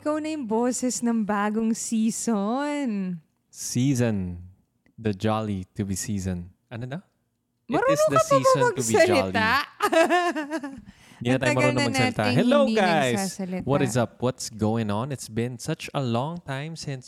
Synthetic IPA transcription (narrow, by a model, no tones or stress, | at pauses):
ɪkɐwnɐjʊŋboːsɛsnɐŋbaːɡoŋsiːson | siːzɔ̃n | d̪ɐd͡ʒalit̪ubisiːzɔ̃n | ʔɐnod̪ɐ | mɐɾoɪod̪ɐsĩmɐɡ̪bisɐld͡ʒɪliaʔ | d̪at̪ajɐmɐɾonnɐmɐnɡsɐlɪt̪a̰hɛloiɡajsassɐlɪt̪wɔaɾɪzɐp̚wɔt̪sɡowɪ̃ŋɔ̃nɪt̪sbɪ̃nsɐt͡ʃɐlɔ̃ŋt̪ãjmsɪ̃ns